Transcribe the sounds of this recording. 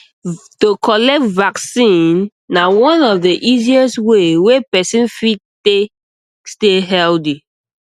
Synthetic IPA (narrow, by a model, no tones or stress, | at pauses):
tokɔlɛk̚tvaksĩnː | awɔ̃nɔfdeʔiziɛswewepɛsĩnfite | steɦɛldi